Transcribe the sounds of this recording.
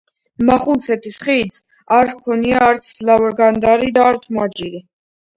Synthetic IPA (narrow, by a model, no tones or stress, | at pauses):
maχulˠt̪sʰɛt̪ʰisχiːd̪z | aɾkʰɔniaːɾt̪sʰlavɔɾɡand̪aɾid̪aːɾt̪sʰmad͡ʒiɾi